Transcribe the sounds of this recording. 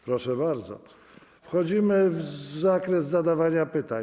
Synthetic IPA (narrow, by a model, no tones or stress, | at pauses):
pɾɔʂɛbaɾd̪zɔ̰ | fxɔd͡ʑimɘvzakɾɛzzad̪avaɲapɘt̪a